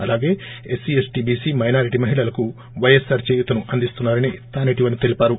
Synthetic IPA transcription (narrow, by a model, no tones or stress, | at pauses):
ɐlaːɡe̞ːesiesʈiːbiːsimɐjnaːɾiʈimɐɦiɭɐlɐku | ʋɐjesaːɾt͡ʃeːjut̪ɐnuʔɐnd̪ist̪unːaːɾɐnḭt̪aːneʈiʋɐnit̪e̞lipaːɾu